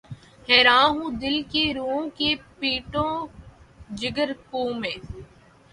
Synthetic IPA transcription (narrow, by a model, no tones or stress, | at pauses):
hɛːɾãːɦũːd̪ɪlkeɾuːõkepiːʈõː | d͡ʒɪɡəɾkõːmẽː